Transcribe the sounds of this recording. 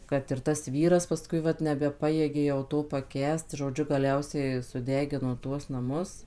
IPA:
kɐt ɪr tɐs ˈʋʲiːrɐs pɐˈskʊɪ ˈʋɐt nʲɛbʲɛˈpɑːjeːɡʲeː jɛʊ ˈtoː pɐˈkʲæːst ʒoːˈd͡ʒʲʊ ɡɐˈlʲɛʊsʲɛɪ sʊˈdʲæːɡʲɪnoː ˈtuɔs nɐˈmʊs

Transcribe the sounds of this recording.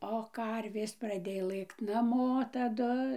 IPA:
oː ˈkɐrʲʋʲeːs prɐˈdʲeːjoː ˈlˠɘkt nɐˈmoː tɐˈdʊ

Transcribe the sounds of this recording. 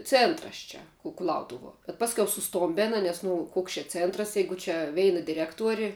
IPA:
ˈt͡sʲeːntrɐs ˈt͡ʃʲɛ kʊˈlˠɐʊtʊʋuɔ bʲɛt ˈpɑːsʲkʲɛʊ sʊˈstoːmʲbʲeːnɐ nʲɛs nʊ ˈkoːks t͡ʃʲɛ ˈt͡sʲeːntrɐs ˈjɛɪɡʊ t͡ʃʲɛ ˈʋʲɛɪnɐ dʲɪˈrʲæːktuɔrʲɪ

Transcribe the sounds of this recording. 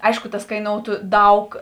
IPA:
ˈɐɪʃkʊ tɐs kɐɪˈnoːʊtʊ ˈdɐʊk

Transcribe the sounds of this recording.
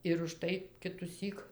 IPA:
ɪr ʊʃˈtɐɪ kʲɪtʊˈsʲiːk

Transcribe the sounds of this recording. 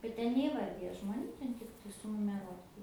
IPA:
bʲɛt ˈtʲɛn nʲɛiːˈʋɐrʲdʲɪjɛ ʒmoːˈnʲuː ˈtʲɛn ˈtʲɪktɐɪ sʊnʊmʲɛˈruɔtɐ

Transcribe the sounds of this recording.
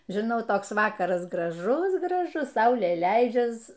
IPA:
ʒʲɪˈnɐʊ ˈtoːks ˈʋɑːkɐrɐs ɡrɐˈʒʊs ɡrɐˈʒʊs ˈsɐʊlʲeː ˈlʲɛɪd͡ʒʲɛs

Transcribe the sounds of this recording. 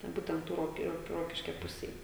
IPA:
tʲɛn ˈbuːtʲɛnt ˈtuː ˈroːk ˈroːkʲɪ ˈroːkʲɪʃʲkʲɛ ˈpʊsʲeːj

